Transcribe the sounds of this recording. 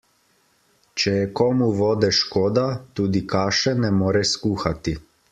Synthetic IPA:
t͡ʃɛjɛkɔːmuʋɔːd̪ɛʃkoːd̪at̪uːd̪ikaːʃɛnɛmoːɾɛskuːxat̪i

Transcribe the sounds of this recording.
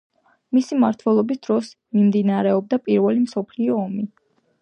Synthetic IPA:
misimaɾt̪ʰwɛlˠɔbisd̪̥ɾɔs | mimd̪inaɾɛɔb̚d̪apʼiɾvɛlimsɔpʰliɔːmi

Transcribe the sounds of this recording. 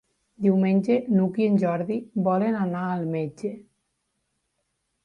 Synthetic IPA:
d̪iwmenʲd͡ʒenukienʲd͡ʒɔɾðibɔlenanaːlmed͡ʒe

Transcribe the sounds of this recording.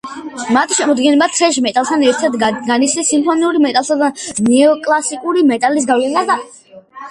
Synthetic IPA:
mat̪ʰi̥ʃɛmɔd̪ɡɛnɛbat̪ʰɾɛʃ̬mɛt̪ʼalˠt̪ʰanɛɾt̪ʰaɾt̪ɡanit̪sʰnisːimpʰɔniuɾimɛt̪ʼalˠsad̪anɛɔkʼlˠasikʼuɾimɛt̪ʼalis̬ɡavlɛnaa

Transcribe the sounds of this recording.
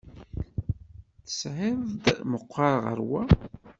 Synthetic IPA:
θə̥sʕɪðd̪məqʷːɑɾˤʁə̰ɾwæ

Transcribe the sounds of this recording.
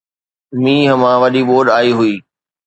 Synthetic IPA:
mĩːɦɐmãʋɐɗiɓoːɗaːiɦʊiː

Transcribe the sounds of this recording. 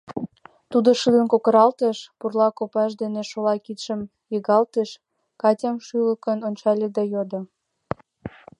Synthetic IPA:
t̪ud̪oʃɯd̪ənkokəɾɑlt̪əʃpurlɑkopɑʃd̪eneʃolɑkit̪ʃəm | jəɣɑlt̪eʃ | kɑtʲɑmʃyləkənont͡ɕɑlʲed̪ɑjod̪o

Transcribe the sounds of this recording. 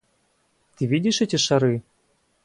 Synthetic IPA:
t̪ɨvʲidʲiʃɛtʲeʃaɾɨ

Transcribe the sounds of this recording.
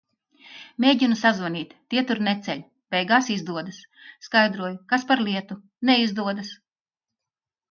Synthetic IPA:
mʲeːɟinusazvanʲiːt̪ʲt̪ːiɛt̪uɾnɛt̪sʲɛʎʲ | b̥ɛjɡaːsizd̪uɔd̪ɐsː | kajd̪ɾuɔjukaspaɾlˠiɛt̪u | nɛizd̪uɔd̪as

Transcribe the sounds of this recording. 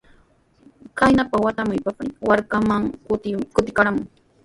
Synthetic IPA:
kajnapawat̪amʊjpapɪwaɾkamaŋkʊt̪ɪkaɾamʊŋ

